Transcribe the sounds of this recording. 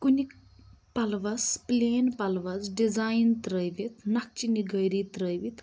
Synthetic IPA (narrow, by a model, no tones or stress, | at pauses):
kunik | pɐlʋɐspleːnpɐlʋɐsɖizajnt̪ɾəjʋit̪nɐk̚t͡ʃiniɡəjɾit̪ɾəjʋit̪